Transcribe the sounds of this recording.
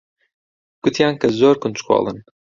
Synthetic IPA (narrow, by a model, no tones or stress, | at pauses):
ɡ̥ʊt̪ʰjaːnkɐzoːɾkʊnt͡ʃkʰwɑ̰ːlˠɨ̰n